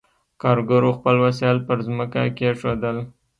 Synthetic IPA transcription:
kɑɾɡəɾoxpəlwasɑlpəɾzməka̰keʂod̪əl

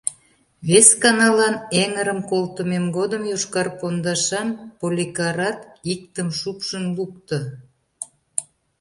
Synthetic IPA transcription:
βeskɑnɑlɑneŋəɾəmkolt̪əmemɡod̪əmjuʃkɑrkond̪ɑʃɑnpolʲikɑɾɑt̪ik̚t̪əmʃupʃənluk̚t̪ə̆

